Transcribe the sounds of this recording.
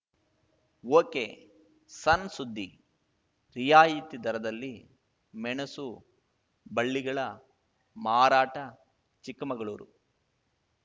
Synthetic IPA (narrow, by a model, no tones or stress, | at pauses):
oːkeː | sɐnsud̪ʱːi | ɾijaːjiːt̪id̪ɐɾɐd̪ɐlːi | mɛɳɐsu | bɐɭːiɡɐɭɐ | maːɾaːʈɐ | t͡ʃikɐmɐɡɐɭuːɾu